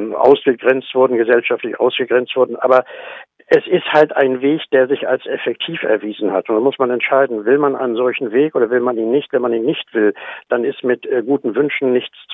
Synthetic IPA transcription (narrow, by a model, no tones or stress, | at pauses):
ʔa̰ʊsɡ̥əɡʁɛnt͡stv̥ʊɐdn̩ɡəzɛlʃaftlɪçʔa̰ʊsɡ̥əɡʁɛnt͡stv̥ʊɐdn̩ʔa̰ːbɐ | ʔɛsɪsthaltaɪnveːçd̥eːɐzɪça̰lsɛfɛk̚tʰiːfɛ̰ɐviːzn̩hatʊntd̥anmʊsmanɛntʃaɪdn̩vɪlmanʔa̰ɪnənzɔlçn̩veːkʔoːdɐvɪlmaniːnːɪçtv̥ɛnmaniːnːɪçtv̥ɪld̥anɪstmɪtɡuːtn̩vʏnʃn̩nɪçt͡s